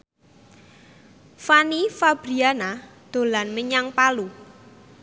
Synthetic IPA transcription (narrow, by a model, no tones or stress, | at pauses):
fanifab̥ɾianad̪̥o̤lanməɲaŋpalu